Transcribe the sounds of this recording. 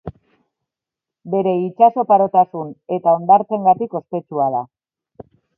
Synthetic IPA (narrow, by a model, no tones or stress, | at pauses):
be̞ɾe̞it͡ʃaso̞paɾo̞t̪asune̞t̪ao̞nd̪aɾt͡se̞ŋɡat̪iko̞spe̞t͡ʃuað̞a